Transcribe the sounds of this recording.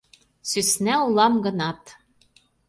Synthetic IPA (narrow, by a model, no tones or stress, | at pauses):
sysnæulˠɑmɡɤ̆nɑt̪